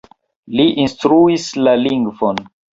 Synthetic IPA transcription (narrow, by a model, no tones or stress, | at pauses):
liʔinstɾuislaliŋɡvon